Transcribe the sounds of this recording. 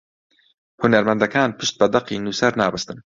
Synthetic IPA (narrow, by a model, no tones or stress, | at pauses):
hunɐɾmɐnd̪ɐkaːnpʰɨʃt̪̚bɐd̪ɐqiːnuːsɐɾnaːbɐst̪ɨn